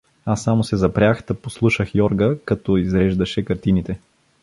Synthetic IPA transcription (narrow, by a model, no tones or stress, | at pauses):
asːamosɛzɐpɾʲjaxd̪̥ɐposlˠuʃəxjɔɾɡəkɐt̪ɔizɾɛʒd̪ɐʃɛkɐɾt̪init̪ɛ